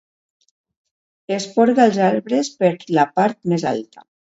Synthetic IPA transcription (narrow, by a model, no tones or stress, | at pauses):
espɔɾɣaːlˠzaɾβɾespeɾlapaɾt̪meza̰lt̪ḁ